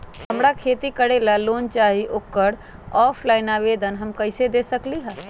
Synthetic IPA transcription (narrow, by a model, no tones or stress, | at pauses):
həmɾakʰeːt̪ikəɽelaloːnt͡ʃaːɦiʔokːəɽ | ɔːpʰlaːɪnaʋeːd̪ənɦəmkəɪsed̪eːsəkliɦɛː